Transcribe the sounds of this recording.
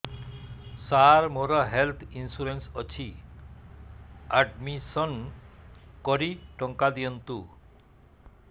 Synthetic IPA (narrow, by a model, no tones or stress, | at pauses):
saɾmoɾʌɦelt̪ʰinsuɾensʌt͡ɕʰi | aɖmisʌn | kɔɾiʈɔŋkad̪ijʌnt̪u